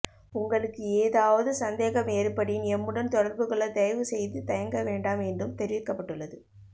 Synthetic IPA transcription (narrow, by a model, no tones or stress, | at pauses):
ʊŋɡɐɭɯkːɯeːðaːʋɐðɯsɐnd̪eːɣɐmeːɾɯpːɐɽɪjɪnɛmːɯɽɐnt̪ɔɽɐɾbɯɣɐɭɐt̪ɛjʋɯsɛjðɯt̪ɐjɐŋɡɐʋeːɳɖaːmɛndɯmt̪ɛɾɪʋɪkːɐpːɐʈːɯɭːɐðɯ